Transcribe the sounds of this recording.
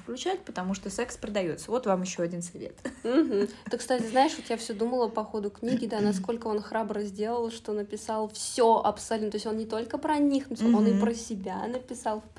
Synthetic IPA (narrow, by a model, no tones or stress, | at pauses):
fklʲʉt͡ɕætʲpət̪ɐmuʂt̪osɛkspɾəd̪ɐjo̞t̪səvo̞t̪vamjɪɕːoɐdʲinsɨvʲḛt̪m̩ɦm̩t̪okst̪atʲɪznaɪʂvo̞t̪jafsʲod̪uməlˠəpɐxo̞d̪ʊknʲiɡʲɪd̪anɐsko̞lʲkəo̞nxɾabɾəzʲdʲe̞lˠəlˠʂt̪o̞nəpʲɪsalˠfsʲoʔɐ̰psalʲnt̪osʲo̞nnʲɪt̪o̞lʲkəpɾɐnʲixnʊsʲonɨpɾəsʲɪbʲanəpʲɪsɑlˠ